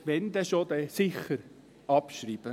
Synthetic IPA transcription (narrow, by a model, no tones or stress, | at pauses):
ʋɛnd̪əʃod̪ɛsɪχəɾ | ɑpʃriːb̥ə